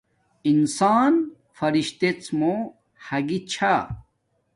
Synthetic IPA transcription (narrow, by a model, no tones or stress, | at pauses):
insaːn | fɐɾiɕt̪et͡smo | hɐɡit͡ɕʰa